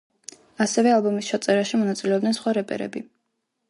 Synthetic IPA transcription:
asɛvɛalˠbɔmist͡ʃʰat̪sʼɛɾaʃimɔnat̪sʼilɛɔbd̪ɛnsχwaɾɛpʼɛ̰ɾɛ̰bi

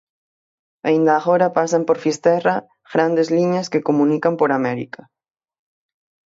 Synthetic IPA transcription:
aind̪aːɣoɾapasampoɾfist̪ɛra | ɣɾand̪ezliɲaskekomũnikampoɾamɛɾḭka

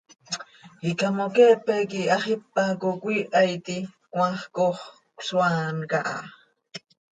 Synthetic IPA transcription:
hikamokeʔpekiaχɪpːakokʷiʔajt̪i | kwʷaχkoχ | swankaʔa̰

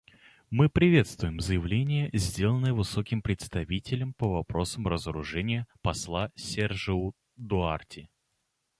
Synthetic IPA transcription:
mɨpɾʲɪvʲe̞t̪st̪vʊjɪmzəjɪvlʲenʲɪjəzʲdʲe̞lˠənːɨjəvɨso̞kʲɪmpɾʲɪt̪st̪ɐvʲitʲɪlʲəmpəvɐpɾo̞səmrəzəɾʊʐɛnʲɪjəpɐslˠasʲerʐɨʊ | d̪ʊartʲʰɪ

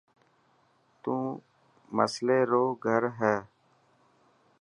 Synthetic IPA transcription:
t̪ũː | məsleːɾoːɡʱəɾɦɛː

